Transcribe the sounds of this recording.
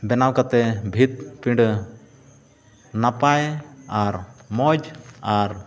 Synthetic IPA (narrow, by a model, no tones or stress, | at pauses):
bɛnawkat̪ɛbʱit̪̚pĩɳɖ | napajaɾmɔd͡ʒaɾ